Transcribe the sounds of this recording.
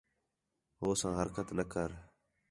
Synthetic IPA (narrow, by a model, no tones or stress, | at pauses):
ɦoːsãːɦəɾkət̪nəkʰəɾ